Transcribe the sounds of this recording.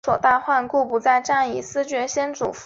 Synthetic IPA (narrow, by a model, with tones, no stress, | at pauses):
wɔ˨˩t̪a˥˧xwa˥˧nku˥˩pu˧˥t͡sa˥˧ɪʈ͡ʂa˥˩ni˨˩sɹ̩˥t͡ɕɥɛ˧˥ɕjɛ˥nt͡sṵ˨˩f